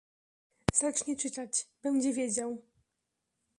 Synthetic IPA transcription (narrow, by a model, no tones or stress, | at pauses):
z̥at͡ʂɲɛt͡ʂɘt̪at͡ɕbɛnd͡ʑɛvʲjed͡ʑaw